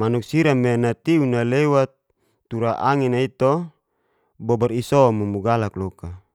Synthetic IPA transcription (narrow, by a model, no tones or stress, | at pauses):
manuk̚siɾamenat̪iunalewat̪ː | uɾaʔaŋinait̪ɔ | bɔbarisɔmumuɡalaklɔka